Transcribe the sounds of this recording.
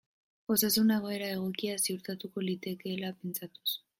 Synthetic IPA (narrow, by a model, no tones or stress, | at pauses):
xo̞sasuneɣ̞o̞e̞ɾae̞ɣ̞o̞kiasiuɾt̪at̪uko̞lit̪e̞ke̞ːlape̞nt͡sat̪u̥s